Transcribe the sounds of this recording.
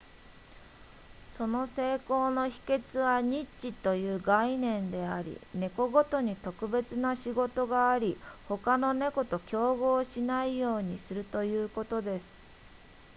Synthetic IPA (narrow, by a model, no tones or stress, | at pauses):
so̞no̞se̞ːko̞ːno̞çi̥ke̞t͡sɨβaɲ̟it͡ɕit̪o̞jɯ̟ːɡainẽ̞nd̪e̞aɾʲḭne̞ko̞ɡo̞t̪o̞ɲ̟it̪o̞kɯ̟be̞t͡sɨnaɕiɡo̞t̪o̞ɡaːɾʲiho̞kano̞ne̞ko̞t̪o̞kʲo̞ːɡo̞ːɕinaijo̞ːɲ̟isɨɾɯ̟t̪o̞jɯːko̞t̪o̞d̪e̞sɨ̥